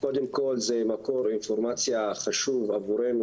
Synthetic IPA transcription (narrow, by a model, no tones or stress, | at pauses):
ko̞d̪emko̞lzemako̞ɾinfoɾmat͡sjaχaʃuvavuɾenu